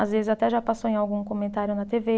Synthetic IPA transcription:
azvezɪzat̪ɛʒapasowẽawɡũkomẽnt̪aɾjʊnɐt̪eve

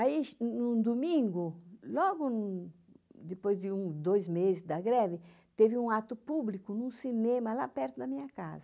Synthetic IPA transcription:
aiʃnũd̪umĩŋɡʊlɔɡʊnũ | d̪epojzd̪ɪũd̪ojzmezɪzd̪ɐɡɾɛvɪ | t̪evɪũat̪ʊpublikʊnũsinẽmɐlapɛɾt̪ʊd̪ɐmĩɲɐka̰zɐ

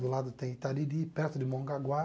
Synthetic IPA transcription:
d̪ʊlad̪ʊt̪ẽj̃t̪ad̪id̪ipɛɾt̪ʊd̪ɪmõŋɡaɡwa

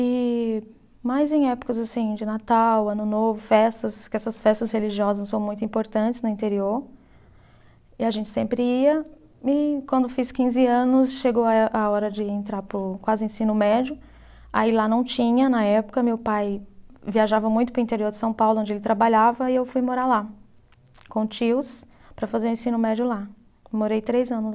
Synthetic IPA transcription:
ɪ | majzẽj̃ɛpʊ̥kɐzasĩd͡ʒɪnat̪awɐ̃nʊnovʊfɛst̪ɐskɪɛsɐsfɛst̪ɐsheliʒiɔzɐsːɐ̃w̃mũj̃t̪ʊĩmpoɾt̪ɐ̃nt͡ʃɪznʊĩt̪eɾioɾ | ɪaʒẽnt͡ʃɪ̥sẽmpɾɪiɐ | ɪkwɐ̃nd̪ʊfiskĩzɪɐ̃nʊsʃeɡowaʔaɔɾɐd͡ʒɪẽnt̪ɾaɾpʊɾkwazɪẽsĩnʊmɛd͡ʒʊ | ailanɐ̃w̃t͡ʃĩɲɐnɐɛpʊ̥kɐmewpajviaʒavɐmũj̃t̪ʊpɾʊĩt̪eɾioɾd͡ʒɪsɐ̃w̃pawlʊõd͡ʒɪelɪt̪ɾabaʎavɐɪewfujmoɾala | kõt͡ʃiws | pɾɐfazeɾũẽsĩnʊmɛd͡ʒʊla | moɾejt̪ɾejzɐ̃nʊ

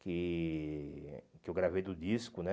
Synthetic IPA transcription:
kɪ | kɪewɡɾavejd̪ʊdiskʊnɛ

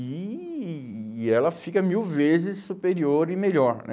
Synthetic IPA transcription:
i | ɛlɐfikɐmiwvezɪsːupeɾioɾɪmeʎɔɾnɛ̰

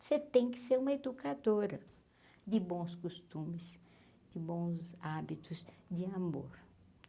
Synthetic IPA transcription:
set̪ẽj̃kɪ̥seɾũmɐed̪ukad̪oɾɐ | d̪ɪbõw̃skost̪ũmɪs | d̪̥ɪbõw̃zabit̪ʊzd̪ɪamoɾ

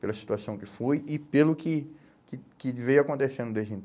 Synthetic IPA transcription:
pelɐsi̥t̪uasɐ̃w̃kɪfojɪpelʊkɪ | kɪkɪvejakõnt̪esẽnd̪ʊd̪eʒd͡ʒĩ

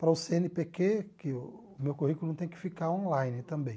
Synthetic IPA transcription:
pɾɐʊseẽnɪpekekɪ | ʊmewkoɦikʊlʊnɐ̃w̃t̪ẽj̃kɪ̥fikaɾõlajnɪt̪ɐ̃mbẽj̃

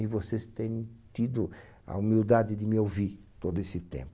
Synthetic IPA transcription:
ɪvosest̪ẽɲ̃j̃t̪id̪ʊ | ɐ̰umiwd̪ad̪ɪd̪ɪmɪowviɾ | t̪od̪ʊesɪt̪ḛ̃mpʊ

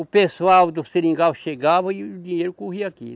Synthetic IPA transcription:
ʊpesuawd̪ʊseɾĩŋɡawʃeɡavɐiud̪ĩɲejɾʊkoɦiakḭ

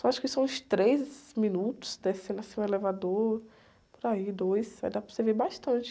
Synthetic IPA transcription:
õaʃʊ̥kɪsɐ̃w̃ʊst̪ɾezmĩnut̪ʊ̥sd̪esẽnɐsĩũelevad̪oɾ | pʊɾaid̪ojsaĩd̪apɾsevebaʃt̪ɐ̃t͡ʃɪ̥

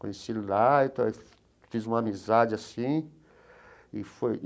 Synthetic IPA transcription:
kõɲesilait̪aɛ̥ | fizũmɐamizad͡ʒɪasĩ | ɪfoj

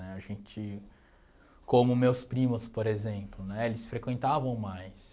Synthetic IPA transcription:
nɛaʒẽt͡ʃɪ | kõmʊmewspɾĩmʊspoɾezẽplʊnɛelɪsfɾekwẽnt̪avɐ̃w̃majs

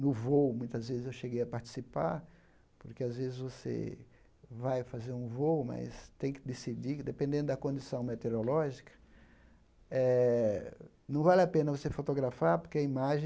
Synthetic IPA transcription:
nʊvowmũj̃t̪ɐzvezɪzewʃeɡejɐpaɾt͡ʃi̥sipa̰ɾ | poɾkeazvezɪzvosḛ | vajfazeɾũvowmɐ̰st̪ẽj̃kɪd̪esid͡ʒid̪epẽnd̪ẽnd̪ʊd̪ɐkõnd͡ʒ̪isɐ̃w̃met̪eɾolɔʒikɐ̥ | ɛ | nɐ̃w̃valɪapẽnɐvosefot̪oɡɾafaɾpoɾkeɐimaʒẽ

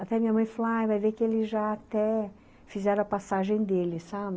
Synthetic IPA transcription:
at̪ɛɐmĩɲɐmɐ̃j̃falaajvajvekɪelɪʒaːt̪ɛ | fizɛɾɐ̃ɐpasaʒẽj̃d̪elɪsabɪ

